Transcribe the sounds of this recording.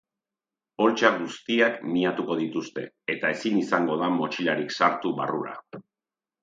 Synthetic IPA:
po̞lt͡ʃaɡust̪iakmiat̪uko̞ðit̪ust̪e̞̰ | et̪ae̞sinisaŋɡo̞ðamo̞t͡ʃilaɾiksaɾt̪uβa̰ruɾa̰

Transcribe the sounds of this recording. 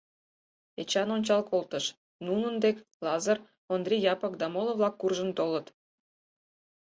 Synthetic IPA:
et͡ɕɑnonʲt͡ɕɑlkʰolˠt̪ə̆ʃ | nunənd̪ekʲlɑzər | ond̪rʲijɑpɤ̆kd̪ɑmolˠə̆vlɑkːurʒənt̪olə̆t̪

